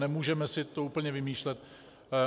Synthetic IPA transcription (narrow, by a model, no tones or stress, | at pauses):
nɛmuːʒɛmɛsɪt̪ouːpl̩ɲɛvɪmiːʃlɛt̪